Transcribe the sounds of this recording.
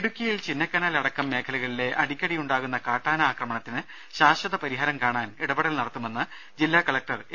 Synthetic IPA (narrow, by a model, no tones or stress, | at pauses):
eɽukʲːɐjilt͡ɕinːɐkːɐnaːlɐɽɐkːɐmːe̞ːkʰɐluɣɐɭile̞ʔɐɽikʲːɐɽijuɳɖaːɣun̪ːɐkaːʈːaːnɐaːkrɐmɐɳɐt̪ːinɨ | ɕaːɕɐðɐpɐɾiɦɐːɾɐmkaːɳaːniɽɐbɐɽɐlnɐɽɐt̪ːumenːɐ | d͡ʑilːaːkɐɭɐk̚ʈɐr